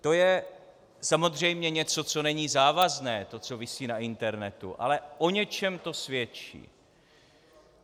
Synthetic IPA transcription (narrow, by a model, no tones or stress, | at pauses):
t̪o̞jɛ | samo̞zr̝ɛjmɲɛɲɛt͡so̞t͡so̞nɛɲiːzaːvaznɛːt̪o̞t͡so̞vɪsiːnaʔɪnt̪ɛɾnɛt̪ṵʔa̰lɛʔo̞ɲɛt͡ʃɛmt̪o̞svjɛt͡ʃḭː